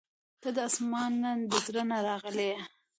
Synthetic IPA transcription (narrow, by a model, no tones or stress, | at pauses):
t̪əd̪əasmɑnːand̪əzɾənaɾɑɣəle